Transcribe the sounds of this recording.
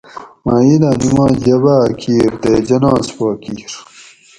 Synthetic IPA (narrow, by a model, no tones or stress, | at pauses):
maːjilaːnimãːd͡ʑɐbaːkʰiːɾd̪eːd͡ʑɐnãːspaːkiːɾ